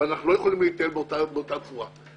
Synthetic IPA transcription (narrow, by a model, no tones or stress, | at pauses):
anaχnulo̞je̞χolimleit̪elbeotabeot̪at̪vuʁa